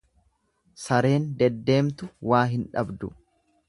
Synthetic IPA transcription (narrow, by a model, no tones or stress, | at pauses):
sɐɾe̞ːnd̪ɛd̪ːe̞ːmt̪ʊwaːɦɪnᶑɐ̰bd̪ʊ̰